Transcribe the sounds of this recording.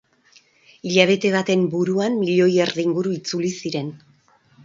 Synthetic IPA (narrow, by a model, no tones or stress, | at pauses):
iʎaβ̞e̞t̪e̞β̞at̪e̞mbuɾuamːiʎo̞jeɾðiiŋɡuɾuit͡sulisiɾe̞n